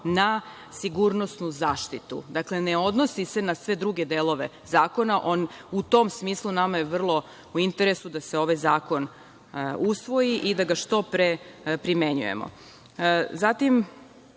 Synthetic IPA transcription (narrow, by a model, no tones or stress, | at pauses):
na | siɡuɾno̞snuzaːʃt̪it̪ṵd̪akle̞ne̞o̞d̪no̞sise̞nasʋe̞d̪ɾuɡe̞d̪eːlˠo̞ʋe̞ | zaːko̞naʔo̞nut̪o̞msmiːslˠunamajeʋr̩lˠo̞ | uint̪e̞ɾesud̪ase̞o̞ʋajzaːko̞n | usʋo̞jiʔid̪aɡaʃt̪o̞pɾepɾime̞ɲṵjḛmo̰ | zat̪im